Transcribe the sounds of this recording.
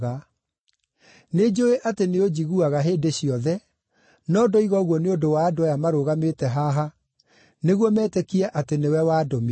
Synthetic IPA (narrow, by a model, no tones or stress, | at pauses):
ɣa | ned͡ʑoeʔateneod͡ʑiɣuaɣaɦeːdeɕiɔðɛ | nɔdɔiɣɔɣwɔneodowaːdoajamaɾoɣametɛɦaɦa | neɣwɔmɛːtɛkiɛʔatenewɛwadɔme